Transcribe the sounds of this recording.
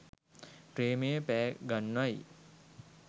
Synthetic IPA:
pɾeːmejəpɛːɡanʋaj

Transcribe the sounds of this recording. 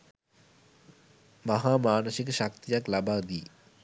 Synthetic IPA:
maɦaːmaːnəsik̬əʃak̚t̪ijaklabaːd̪iː

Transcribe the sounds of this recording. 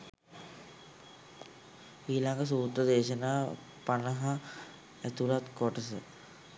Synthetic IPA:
iːlaŋɡəs̬uːt̪ɾəd̪eːʃənaː | panəɦa | æt̪uɾat̪koʈəsə̰

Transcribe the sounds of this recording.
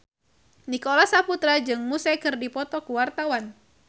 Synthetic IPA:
nikolasaput̪ɾad͡ʒɨŋmusakɨrdipɔt̪ɔkuwart̪awan

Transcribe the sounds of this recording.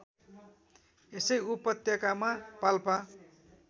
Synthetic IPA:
esʌjupʌt̪jʌkamapalpa

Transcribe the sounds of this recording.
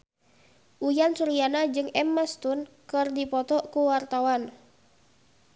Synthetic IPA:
ʔujansuɾijanad͡ʒɨŋɛmːast̪unkɨrdipɔt̪ɔkuwart̪awan

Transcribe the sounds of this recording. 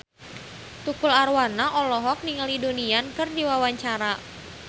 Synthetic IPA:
t̪ukularwanaʔɔlɔɦɔk̚niŋaliduniankɨrdiwawaɲt͡ʃaɾa

